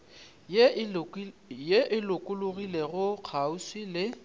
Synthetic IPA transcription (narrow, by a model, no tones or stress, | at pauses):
jeʔɪlʊkʼʊlʊɣileɣʊq͡χʰauswilɪ